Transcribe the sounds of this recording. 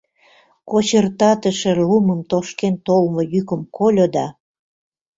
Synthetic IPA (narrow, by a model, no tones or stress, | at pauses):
kot͡ɕərt̪ɑt̪əʃĕluməmt̪oʃkent̪olmojykəmkolʲod̪ɑ